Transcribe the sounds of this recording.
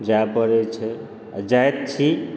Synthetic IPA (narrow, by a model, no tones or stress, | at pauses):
d͡ʒapʌɾet͡ʃʰə | d͡ʒajet̪̚t͡ʃʰi